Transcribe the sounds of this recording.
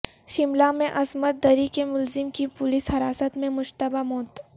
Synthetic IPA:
ʃɪmlamẽʔɐsmət̪̚d̪ɐɾikemʊlzɪmkipʊlɪshɐɾaːsət̪mẽmʊʃt̪əbamɔːt̪

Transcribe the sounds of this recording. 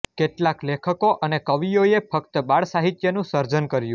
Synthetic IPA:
keʈlaklekʰəkoʔənekəʋijoefʰəkt̪əbaɭsaɦit̪jənũsəɾd͡ʒənkəɾjũ

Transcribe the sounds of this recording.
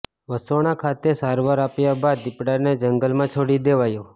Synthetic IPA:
ʋəsoɽ̃akʰat̪esaɾʋaɾapjabad̪ɪpɽaned͡ʒəŋɡəlmãt͡ʃʰoɽid̪eʋajõ

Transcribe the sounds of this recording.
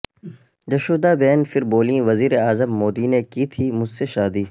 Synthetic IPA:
d͡ʒɐʃoːd̪aːbɛːnfɪɾboːlĩʋɐziːɾeaːzəmːoːd̪iːnekiːt̪ʰiːmʊd͡ʒseʃaːd̪iː

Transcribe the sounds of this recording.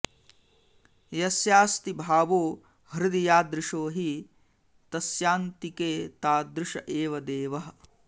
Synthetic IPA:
jɐsjaːst̪ibʱaːʋoː | hɾɪd̪ijaːd̪ɾɪʂoːɦi | t̪ɐsjaːnt̪ikeːt̪aːd̪ɾuʂɐʔeːʋɐd̪eːʋɐɦɐ̆

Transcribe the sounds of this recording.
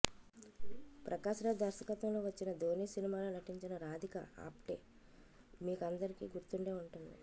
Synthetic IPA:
pɾʔɐkaːʃɐɾɐd̪ɐɾsɐkɐt̪ɐmlo̞ːʋɐt͡ʃːinɐd̪ʱoːniːsinimaːloːnɐʈiɲt͡ʃinɐɾaːd̪ʱikɐ̰a̰ːpʈe̞̰ː | miːkɐnd̪ɐɾikḭːɡuɾt̪uɳɖe̞ːuɳʈund̪ḭ

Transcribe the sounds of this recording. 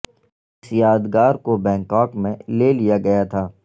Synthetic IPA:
ɪsjaːd̪ɡaːɾkobɛ̃ːŋkaːkmẽleːlijaɡɐjat̪ʰaː

